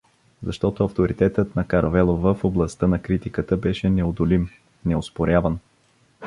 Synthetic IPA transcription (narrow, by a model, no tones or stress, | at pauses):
zɐʃt̪ɔt̪oɐft̪oɾit̪ɛt̪ət̪nɐkɐɾɐvɛlˠovəfoblˠɐst̪ɤnɐkɾit̪ikət̪əbɛʃɛnɛod̪olim | nɛospoɾʲavən